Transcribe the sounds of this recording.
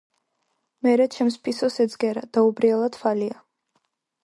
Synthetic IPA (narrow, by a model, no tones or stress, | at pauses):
mɛɾɛt͡ʃʰɛmspʰisɔsɛd̪zɡɛɾa̰d̪̥aubɾiɛlˠad̪falia